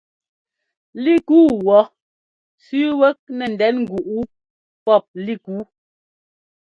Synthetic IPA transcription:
li˦˨kuː˦wɔ˨˦ | sʉ˦wɛ˦k̚nɛ˨n̩˨dɛ˨˦nŋ̩˨ɡu˨ʔu˦ | pɔ˦˨p̚li˦˨ku˨˦

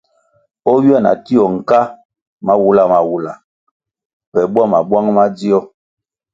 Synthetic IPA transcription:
ɔ˦wi˦a˦˨na̰˨ti˦ɔ˨ŋ̩˨ka˦ | ma˦wu˨la˦˨ma˨wu˨la˨ | pɛ˨bwa˦˨ma˨bwa˦ŋma˦d͡zi˦ɔ˦

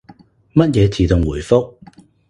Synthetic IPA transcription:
mɐ˥t̚jɛː˨˧t͡siː˨t̪ʊ˨ŋwuː˨˩jfʊ˥k̚

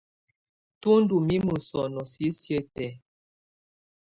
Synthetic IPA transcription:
tu˦n˦du˨mi˦mu˨sɔ˨nɔ˨si˦sje˦tɛ˨

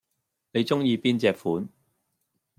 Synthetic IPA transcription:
ne˨˧jt͡sʊ˥ŋjiː˧piː˥nt͡sɛː˨kfuː˨˥n

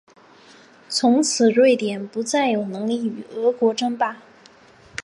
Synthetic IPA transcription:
t͡sʰʊ˧˥ŋt͡sʰɹ̩˨˩ɻwe˥˩ɪt̪jɛ˨˩npu˧˥t͡sa˥˩ɪjo˨˩ʊnɤ˧˥ŋli˥˩y˨˩ɤ˧˥kwɔ˧˥ʈ͡ʂɤ˥ŋpa˥˩

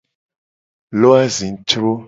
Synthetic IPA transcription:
lo˦a˦zi˨n˨t͡ʃɾo˦

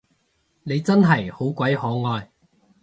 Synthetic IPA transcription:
ne˨˧jt͡sɐ˥nɦɐ˨˩jho˨˥wkʷɐ˨˥jhɔː˨˥ŋɔː˧j

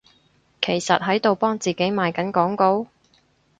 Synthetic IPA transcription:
kʰe˨˩jsɐ˨t̚ɦɐ˨˥jt̪o˨wpɔː˥ŋt͡siː˨ke˨˥jmaː˨˧jkɐ˨˥nkɔː˨˥ŋko˧˥w

